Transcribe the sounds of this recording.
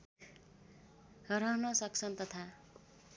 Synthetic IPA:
ɦʌɾʌɦnʌsʌk̚t͡sʰʌnt̪ʌt̪ʰa

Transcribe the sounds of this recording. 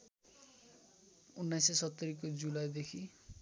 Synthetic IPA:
unːajsesʌt̪ːʌɾikod͡zulajd̪ekʰi

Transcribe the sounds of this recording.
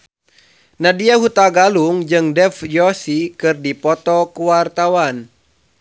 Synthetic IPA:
nadiaɦut̪aɡaluŋd͡ʒɨŋdɛfjɔsikɨrdipɔt̪ɔkuwart̪awan

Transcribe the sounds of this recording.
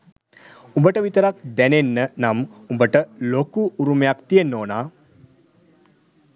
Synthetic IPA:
umbəʈəʋit̪əɾak̚d̪ænenːənamumbəʈəlokuːɾumejakt̪ijenːoːnaː

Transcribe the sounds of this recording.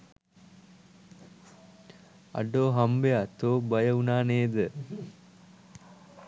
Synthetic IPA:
ɐ̰ɖoːɦɐmbejat̪oːbɐjɐunaːneːd̪ə

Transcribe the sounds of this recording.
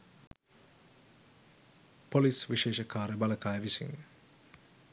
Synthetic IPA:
polisʋiʃeːʃəkaːɾebaləkaːjəʋisḭŋ

